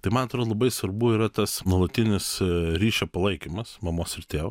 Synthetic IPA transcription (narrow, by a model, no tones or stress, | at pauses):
t̪ɐɪmɐnɐt̪ɾoːd̪lˠɐbɐɪsʋɐɾbuːɪɾɐt̪ɐsnuɔlˠɐt̪ʲɪnʲɪsɾʲiːʃʲɛpɐlˠɐɪkʲimɐsmɐmoːsɪɾt̪ʲeːʋɐ